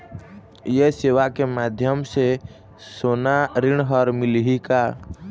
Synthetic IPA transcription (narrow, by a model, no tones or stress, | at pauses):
jeseːʋakemaːd̪ʱjəmse | soːnaɾɪɳ̃ɦɔɾmɪlɦika